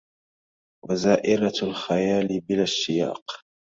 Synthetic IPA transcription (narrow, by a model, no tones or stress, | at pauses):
wazaːʔɪɾalxajaːlɪbɪlaʃːɪja̰ːq